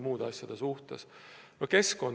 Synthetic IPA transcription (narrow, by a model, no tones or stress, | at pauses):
muːd̪ɑsʲjɑd̪̥esuht̪ḛsnoke̞sko̞n